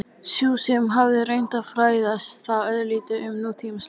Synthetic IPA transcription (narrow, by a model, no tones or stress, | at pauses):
sjuːsɪmɦavðɪrejnt̪afɾaːjðasθaœðliːt̪ɪʔʏmnuːt̪ʰimas